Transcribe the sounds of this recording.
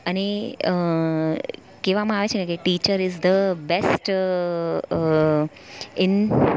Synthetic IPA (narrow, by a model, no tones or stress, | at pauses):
əneə | keʋamãaʋet͡ʃʰenekeʈiːt͡ʃəɾɪzd̪əbɛsʈ | ɪ̃n